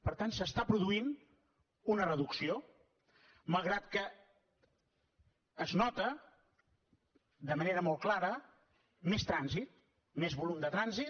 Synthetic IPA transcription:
pəɾt̪ansəst̪apɾuðuin | unərəðuksio | malˠɣɾat̪kə | znɔt̪ə | d̪əməneɾəmɔlˠklaɾə | mest̪ɾanzit̪̚ | mezβulumd̪ət̪ɾanzi

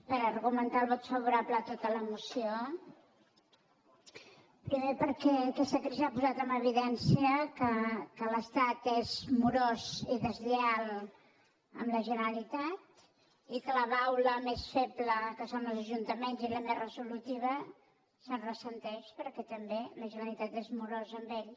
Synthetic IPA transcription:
pəɾərɣumənt̪alˠβɔt̪sfəβuɾaplət̪ot̪ələmusio | pɾimepəɾkɛkɛst̪əkɾizapuzat̪əməβ̞iðɛnsiəkəkələst̪at̪ezmuɾoziðəzlealˠ | ə̰mləʒənəɾəlit̪at̪ | ikələβawləmesfebləkəsonəlˠzəʒunt̪əmenziləmerəzulut̪iβ̞ə | sərəsənt̪ɛʃpəɾkɛt̪əmbeləʒənəlit̪at̪ezmuɾozəmbeʎ

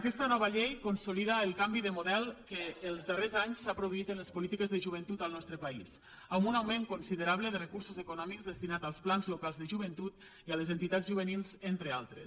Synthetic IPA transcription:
akɛst̪ənɔβəʎejkonsuliðaːlˠkambiðəmuðɛlˠkəːlˠzðərezaɲsapɾoðuit̪ənləspulit̪ikəzðəʒuβ̞ənt̪ut̪əlˠnɔst̪ɾəpaḭs | ambunawmẽŋkunsiðəɾaβləðərəkuɾsuzəkunɔmikzðəst̪inat̪alˠsplanzlukalˠzðəʒuβənt̪ut̪ | iələzent̪it̪azʒuβ̞ənilˠzent̪ɾealˠt̪ɾe

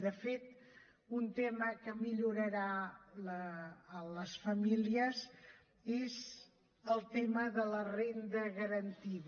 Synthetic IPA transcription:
d̪əfet̪ | unt̪eməkəmiʎuɾəɾaləːləsfəmiliəz | ez | əlˠt̪eməðələrend̪əɣəɾənt̪ið

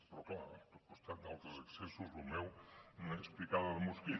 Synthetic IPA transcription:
pɾɔkla̰ɾt̪opost̪aɾnalˠt̪ɐzɐksesuzumewñɛsplikaðɐðmuski

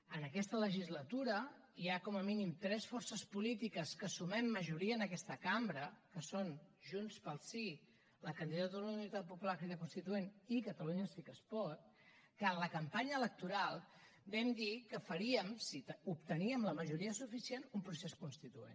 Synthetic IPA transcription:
ənəkɛst̪ələʒizlət̪uɾə | iakɔməminimt̪ɾɛsfɔrsəspulit̪ikəskəsumɛmːəʒuɾiəːnəkɛst̪əkambɾəkəsonʒunspəlˠsi | ləkənd̪iðat̪ðulunit̪at̪̚pupulakɾiðəkunst̪it̪uenikət̪əluɲəsikəspɔt̪ | kəːnləkəmpaɲəːlək̚t̪uɾalˠbɛmd̪ikəfəɾiəmsit̪əup̚t̪əniəmləməʒuɾiəsufisienumpɾuseskunst̪it̪uḛn

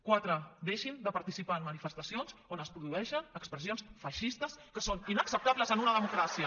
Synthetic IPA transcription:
kwat̪ɾəd̪eʃind̪əpaɾt̪isipaənmənifəst̪asionzonəspɾuðuɛʃənəkspɾəs̬ionsfaʃist̪əskəsoninəksəp̚t̪aβləzənunəðəmukɾasiə

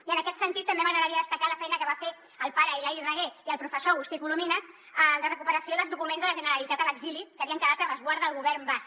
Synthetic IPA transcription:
iənəkɛt̪sənt̪it̪ːəmbeməɣɾəɣɾəɾiəðəst̪əkaləfɛjnəkəβafe | əlˠpaɾəilairəɣ̞eiəlˠpɾufəsoɣust̪ikuluminəs | ələrəkupəɾəsioðəlˠzðukumenzðələʒənəɾəlit̪at̪ələɡzilikəβiəŋkəðat̪əβəzɣwaɾðəəlˠɣuβɛrmbask

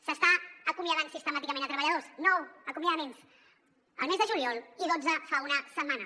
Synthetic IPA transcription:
səst̪aəkumjəðaɲsist̪əmat̪ikəmẽnət̪ɾəβəʎəðosnɔwəkumjəðəmens | ə̰lˠmezðəʒuliɔlˠiðod͡zəfaunəsəmmːanə

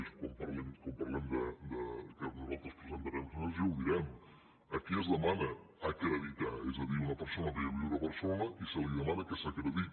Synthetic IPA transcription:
skwampɐɾlɛmkompɐrlɛmd̪əd̪əkənuzalˠt̪ɾəspɾəzənt̪əɾɛmsonəzɛwðiɾɛm | əkiəzðəmanəː | kɾəðit̪aɛzəðiunəpəɾsonəðeəβiunəpəɾsonəisəliðəmanəkəsakɾəðit̪

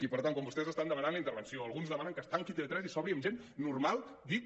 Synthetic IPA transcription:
ipəɾt̪aŋkɔmbust̪ɛzəst̪and̪əmənanləint̪əɾβənsioəlˠɣunzðəmanəŋkəst̪aŋkit̪eet̪ɾɛzisɔβɾiəmʒenːurmalˠd̪i

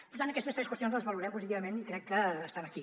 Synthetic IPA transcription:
pəɾut̪ant̪əkɛst̪əst̪ɾɛskwəst̪jonzləzβəluɾɛmpuzit̪iβəmenikɾɛkːəːst̪anəki

